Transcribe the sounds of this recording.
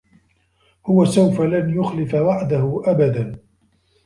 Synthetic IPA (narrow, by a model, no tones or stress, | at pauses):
hʊwasawfalanjʊxlɪfawaʕd̪ahʊʔabad̪an